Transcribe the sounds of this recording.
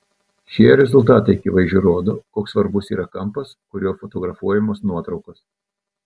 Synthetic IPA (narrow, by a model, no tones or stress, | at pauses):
ʃʲiɛɾʲɛzʊlˠt̪ɑːt̪ɐɪɐkʲiːʋɐɪzʒʲʊɾoːd̪oːkoːksʋɐɾbʊsḭːɾɐkɐmpɐskʊɾʲoːfɔt̪ɔɡɾɐfuɔjɛmoːsnuɔt̪ɾɒʊkos